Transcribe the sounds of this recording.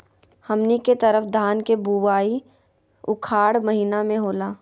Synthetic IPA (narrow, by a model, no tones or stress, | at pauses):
hɐmniket̪ɐɾəfd̪ʱaːnkebuwaːi | ʊkʰaːɽmɐɦiːnamẽɦoːlaː